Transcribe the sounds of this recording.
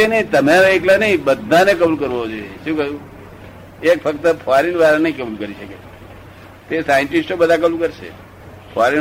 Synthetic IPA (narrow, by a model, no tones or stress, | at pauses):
enəɦĩt̪əmeʋeklanəĩbəd̪ʱːãnekəbulkəɾʋood͡ʒojeʃũkəjũ | ekfʰək̚t̪əpʰaɾinʋaɾanə̃ĩkəbulkəɾiʃəke | t̪esajəɳʈisʈobəd̪ʱakəblũkəɾʃʰḛ | pʰoaɾin